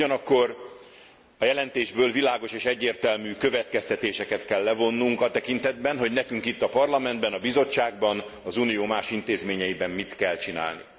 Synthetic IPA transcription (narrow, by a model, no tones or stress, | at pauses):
uɒnɒkːo̞r | ɒjɛlɛnt̪eːʒbøːlvilaːɡo̞ʃeːʃɛɟːeːrt̪ɛlmyːkø̞vɛt̪kɛst̪ɛt̪eːʃɛkɛt̪kɛlːɛvo̞nːuŋkɒt̪ɛkint̪ɛd̪̚bɛnɦo̞ɟnɛkyŋkit̪ːɒpɒrlɒmɛnd̪bɛnɒbizo̞t͡ʃːaːɡbɒnɒzuːnijoːmaːʃint̪eːzmeːɲɛjibɛmmit̪kɛlt͡ʃina̰ːlnḭ